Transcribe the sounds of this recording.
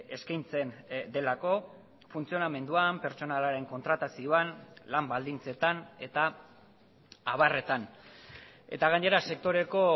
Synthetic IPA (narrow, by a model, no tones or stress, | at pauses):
e̞skajnt͡se̞nd̪e̞lako̞ | funt͡sio̞name̞nd̪uampe̞ɾt͡so̞nalaɾe̞ŋko̞nt̪ɾat̪asioanlambald̪int͡se̞t̪ane̞t̪a | aβare̞t̪an | e̞̰t̪aɣaɲe̞ɾase̞k̚t̪o̞ɾe̞ko̞